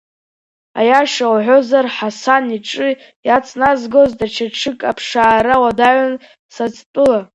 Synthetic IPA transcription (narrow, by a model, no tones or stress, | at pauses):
a̰jaʃawaʕʷozarħasaniʈ͡ʂʼɨ | jat͡sʼnazɡozdat͡ʃʰaʈ͡ʂʰɨkʼapʰʂaːɾawadaʕʷan | sat͡sʼtʼɨla